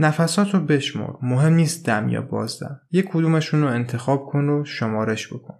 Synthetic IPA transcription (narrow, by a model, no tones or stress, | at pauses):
næfæsɒːt̪ʰobe̞ʃmɔ̰ɾmoɦe̞mniːst̪̚d̪æmjɒ̰ːbɒ̰ːzd̪æ̰mjekʰod̪uːmeʃuːnoent̪ʰe̞xɒːb̥̚kʰo̞noʃomɒːɾeʃb̥o̞̰kʰon